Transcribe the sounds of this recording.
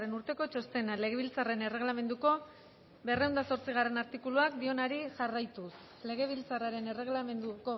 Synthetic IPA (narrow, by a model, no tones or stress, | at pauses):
re̞nuɾt̪e̞ko̞t͡ʃo̞st̪e̞nale̞ɣ̞e̞βilt͡sare̞ne̞re̞ɣlame̞nd̪uko̞ | be̞rewnd̪aso̞ɾt͡siɣ̞are̞naɾt̪ikuluakd̪io̞naɾiʝarajt̪us | le̞ɣ̞e̞β̞ilt͡saraɾe̞ne̞re̞ɣlame̞nd̪uko